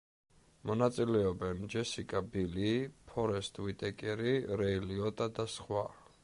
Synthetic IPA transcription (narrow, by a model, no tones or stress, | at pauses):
mɔnat̪sʼilɛɔbɛnd͡ʒɛsikʼabiliːpʰɔɾɛst̪ʼwit̪ʼɛkʼɛɾiɾɛiliɔd̪ʼad̪asχwa